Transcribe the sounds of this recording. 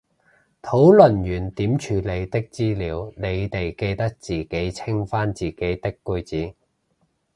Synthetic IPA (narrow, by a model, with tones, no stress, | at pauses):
t̪ʰo˨˥wlɵ˨˩njyː˨˩nt̪iː˨˥mt͡ʃʰyː˨˧le˨˧jt̪ɪ˥k̚t͡siː˥liː˨˥wne˨˧jt̪e˨jke˧jt̪ɐ˥k̚t͡siː˨˩ke˨˥jt͡sʰɪ˥ŋfaː˥nt͡siː˨˩ke˨˥jt̪ɪ˥kːɵ˧jt͡siː˨˥